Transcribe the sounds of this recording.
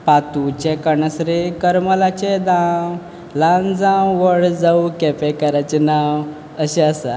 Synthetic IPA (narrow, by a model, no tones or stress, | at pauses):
pat̪ut͡ɕekəɳəsɾikəɾməlat͡ɕed̪ãw | lãnd͡zãwʋəɽd͡zaukɛpekəɾat͡ɕenaw | əɕeəsa